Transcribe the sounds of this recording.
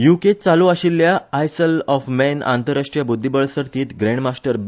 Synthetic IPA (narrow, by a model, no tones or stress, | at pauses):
juket͡saluaɕilːjaːjsəlɔfmɛna̰nt̪əɾaʂʈɾijabud̪ʱːibəɭsəɾt̪iːt̪ɡɾẽɳɖmasʈəɾ